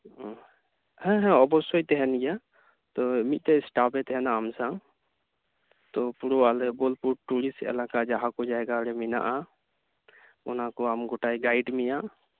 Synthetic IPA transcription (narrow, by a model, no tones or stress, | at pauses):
ɦɛ̃ɦɛ̃ɔbɔsojt̪eɦɛnja | t̪omit̪eɪsʈapet̪ɦɛnaːmsãŋ | t̪opuɾoalebolpuʈʈuɽiseɛ̰lakad͡ʒaɦakod͡ʒaeɡaɾemina̰ʔa | unãkoamɡoʈaiɡaiɖmijã